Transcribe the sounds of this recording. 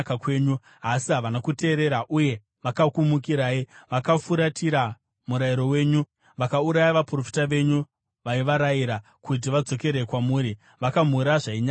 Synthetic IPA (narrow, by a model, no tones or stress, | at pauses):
kakweːɲu | asiɦaʋanakute̞ːɾe̞ɾaʔuje̞ | ʋakakumukiɾaːiʋakafuɾatʰiɾa | muɾaiɾo̞we̞ːɲu | ʋakauɾajaʋapuro̞fi̥taʋe̞ɲu | ʋaiʋaɾajiɾa | kut̬iʋad͡zo̞ke̞ɾe̞kwamuːɾi | ʋakam̤uɾaʐaiɲaː